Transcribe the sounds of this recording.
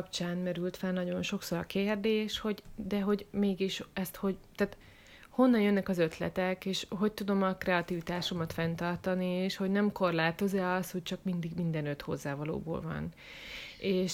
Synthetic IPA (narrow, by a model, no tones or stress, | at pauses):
pt͡ʃaːnmɛɾylt̪fɛlnɒɟo̞nʃo̞kso̞ɾɒkeːrd̪eːʃho̞ɟd̪ɛɦo̞ɟmeːɡiʃɛst̪ho̞ɟt̪aːt̪ | ho̞nːɒnjønːɛkɒzø̞t̪lɛ̰t̪ɛkeːʃɦo̞c̚t̪ud̪o̞mɒkrɛɒt̪ivit̪aːʃo̞mɒt̪fɛnt̪ɒrt̪ɒnieːʃho̞ɟnɛmko̞rlaːt̪o̞zɛɒst̪ho̞c̚t͡ʃɒkmind̪iɡmind̪ɛnø̞t̪ho̞̰zːaːvɒlo̰ːbo̰ːlvɒ̰n | eːʃ